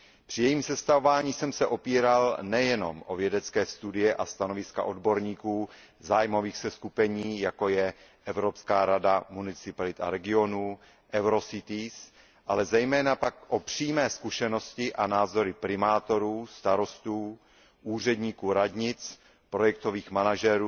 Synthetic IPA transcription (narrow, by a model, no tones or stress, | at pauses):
pr̥ɪjɛjiːmsɛst̪avovaːɲiːsɛmsɛʔo̞piːɾalnɛjɛno̞̰mʔo̞vjɛdɛt͡skɛːst̪udɪjɛʔast̪ano̞vɪska̰ʔo̞dbo̞ɾɲiːkuː | zaːjmo̞viːxsɛskupɛɲiːjako̞jɛ | ʔɛvɾo̞pskaːɾadamunɪt͡sɪpalɪt̪a̰ɾɛɡɪo̞nuː | ʔɛwɾo̞sɪt̪ɪs | ʔalɛzɛjmɛːnapakʔopr̝̥iːmɛːskuʃɛno̞scɪʔanaːzo̞ɾɪpɾɪmaːt̪o̞ɾuːst̪aɾo̞st̪uː | ʔuːr̝ɛdɲiːkuːɾad̪ɲɪt͡s | pɾo̞jɛk̚t̪o̞viːxmanaʒɛɾuː